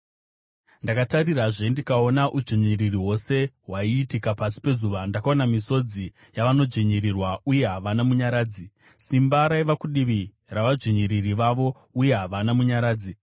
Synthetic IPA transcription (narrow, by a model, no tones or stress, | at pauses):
ndakatariraʐendikao̞naʔud͡ʒiɲiririɦo̞se̞ɦwaiːtikapasi̥pe̞zuʋandakaonamiso̞d͡zi | jaʋano̞d͡ʒiɲiɾirwauje̞ɦaʋanamuɲaɾaːd͡zi | simbaɾaiʋakuɗiʋi | raʋad͡ʒiɲiɾiriʋaʋo̞ | uje̞ɦaʋanamuɲaɾaːd͡zi